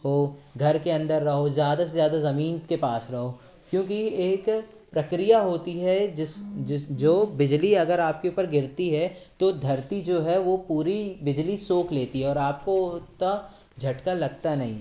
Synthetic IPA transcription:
ɦoɡʱɐɾkeɐ̃nd̪əɾːɐɦozjaːd̪asezjaːd̪azɐmiːnkepaːsɾɐɦo | kjõːk̬ieːk | pɾɐkɾijaɦoːt̪iɦɛd͡ʒɪsd͡ʒoːbɪd͡ʒliɐɡəɾaːp̚keʊːpəɾɡɪɾt̪iɦɛt̪od̪ʱɐɾt̪id͡ʒoːɦɛʋopuːɾibɪd͡ʒlisoːkʰleːt̪iɦɛɔːɾaːp̚kot̪ːa | d͡ʒʱɐʈkalɐɡt̪anɐɦĩ

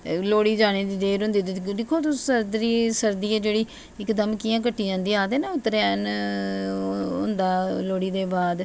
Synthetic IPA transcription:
loːɽiːd͡ʒaːɽ̃eːd̪iːd̪eːɾɦʊ̃nd̪iːt̪ed̪ɪkʰːoːt̪ʊəɾd̪ɾiːsəɾd̪iːɛːd͡ʒeːɽiː | ɪkd̪əmkiːjãːk̬əʈʰːiːd͡ʒãːnd̪iːaːd̪eːnaːʊt̪ːɾeɛn | ɦʊ̰̃nd̪aːloːɽiːd̪eːbaːd̪

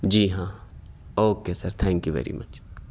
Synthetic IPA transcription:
d͡ʒiːɦãː | oːkeːsɐɾt̪ʰɛ̃ŋkjuʋɛ̰ːɾḭmɐt͡ʃ

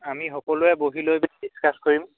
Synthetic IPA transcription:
amixɔkɔlʊɛboɦilojbiskaskoɹim

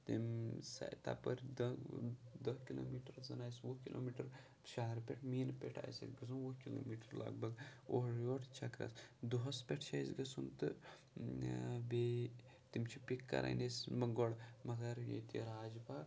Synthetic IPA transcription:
t̪imsɐ̰jt̪a̰pɐɾd̪ | d̪ɐkilo̰ːmiːʈɾzɐnaːjsʋɐkilʔo̰ːmiʈɐɾ | ʃaɦɐɾpʲeʈʰmiːnpʲeʈʰa̰ːjsḭɡɐs̬unʋɐkilo̰ːmiːʈəɾlɐ̰ɡbɐɡoɦɾoʈʰt͡ʃʰɐkɾɐ̰sd̪uɦɐspʲeʈʰt͡ʃʰajsɡɐsunt̪ɨ | be | t̪imt͡ʃʰipikːɐ̰ɾʔa̰nesmɨɡɔɽmɐt̪ɐɾjḛt̪ḭɾaːd͡ʒbaːk

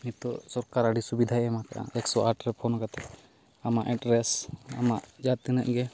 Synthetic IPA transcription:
mit̪ɔsɔɾkaɾaɖisubid̪ʱaɛmakaʔa̰ɛksɔaʈɾɛpʰɔnkat̪ɛ | amaʔɛɖɾɛsa̰maʔd͡ʒat̪inəʔɡɛ

